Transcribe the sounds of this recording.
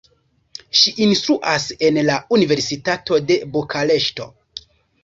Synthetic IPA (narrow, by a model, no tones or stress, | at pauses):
ʃiʔinstɾuʔase̞nlaunive̞ɾsitato̞de̞bokʰale̞ʃto̞̰